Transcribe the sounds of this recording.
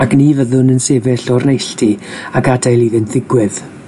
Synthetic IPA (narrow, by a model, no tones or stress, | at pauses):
aknivəðʊnənsevɛɬɔrnejɬtʰiaɡadajlˠiðɪntðɪɡwɪð̥